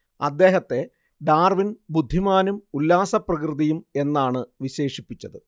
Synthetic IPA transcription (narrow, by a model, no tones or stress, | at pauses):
ɐ̰d̪ːe̞ːɦɐt̪ːe̞ | ɖaːrʋinbud̪ʱːimaːnumulːaːsɐprɐkrɨðijume̞nːaːɳɨʋiɕe̞ːʂipːit͡ɕːɐðɨ